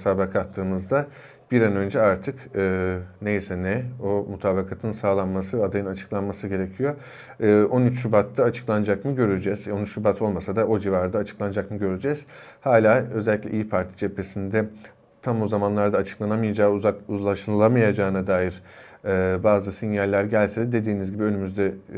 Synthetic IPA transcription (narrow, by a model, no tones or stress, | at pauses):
t̪ʰaːbakʰat̪lːɯːnɯzd̪a | b̥iɾanø̞nd͡ʒɛaɾt̪ʰɯkɯːnejisɛnɛomut̪ʰaːbakʰat̪ʰɯnsaːlˠanmasɯad̪ajɯnat͡ʃʰɯ̥klˠanmasɯɟe̞ɾecʰijo̞ | ɯo̞nyt͡ʃʃubat̪ʰːaːt͡ʃʰɯ̥klˠand͡ʒakmɯɟø̞ɾyd͡ʒɛzo̞nyt͡ʃʃubat̪ʰo̞lˠmasad̪aʔo̞d͡ʒivaɾd̪aːt͡ʃʰɯ̥klˠand͡ʒakmɯɟø̞ɾyd͡ʒɛz̥ | haːlʲaːøzɛlʲːicʲlʲḛʔḭjipʰaɾt̪ʰi̥t͡ʃʰe̞pʰe̞sind̪ɛ | t̪ʰambuzamanlˠaɾd̪aːt͡ʃʰɯ̥klˠanamajad͡ʒaːakuzlˠaʃɯnlˠamajad͡ʒaːɯnad̪aːjiɾ | ɯːbaːzɯsinjalʲːæɾɟælʲsed̪ɛd̪e̞d̪iːnizɟibiø̞nymyzd̪ɛ